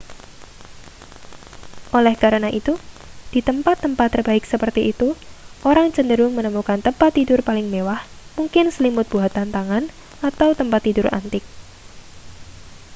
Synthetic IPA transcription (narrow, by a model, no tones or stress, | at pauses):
ʔolɛhkaɾənaʔit̪u | d̥it̪əmpat̪ːəmpat̪ːərbaɪksəpərt̪iːt̪uʔoɾaŋt͡ʃəndəɾʊŋmənəmukant̪əmpat̪ːidʊrpalɪŋmewah | muŋkɪnsəlimʊt̪̚b̥uɦat̪ant̪aŋan | at̪awt̪əmpat̪ːidʊra̰nt̪ɪk̚